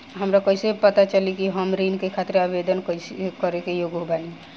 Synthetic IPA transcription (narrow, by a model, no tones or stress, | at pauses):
ɦəmɾakəisepət̪at͡ʃəlikiɦəmɾinkekʰat̪ɾeabed̪ənkəisekəɾekejoɡɦobani